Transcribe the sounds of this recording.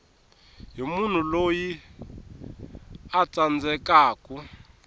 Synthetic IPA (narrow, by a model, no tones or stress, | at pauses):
ɦimun̤uloji | at͡sand͡zʱɛkaːkʼu